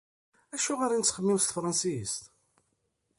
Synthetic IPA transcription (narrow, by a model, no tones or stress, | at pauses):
æʃʊʁaɾint͡sːχəmːiwst̪əfɾˤɑnsist̪